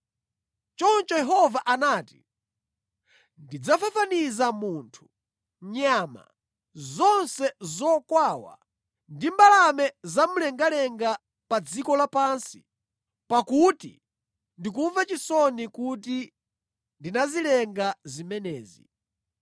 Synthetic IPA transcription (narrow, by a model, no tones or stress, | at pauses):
t͡ʃɔnt͡ʃɔjɛɦɔvaʔanaːti̥ | ndid͡zafafanizamuːntʰu̥ | ɲama̰ | zɔnsɛzɔkwawa̰ | ndimbalamɛzamulɛŋɡalɛŋɡa | pad͡zikɔlapansi̥ | pakutḭ | ndik̬uɱvat͡ʃisɔnikuti | ndinazilɛŋɡazimɛnɛːzḭ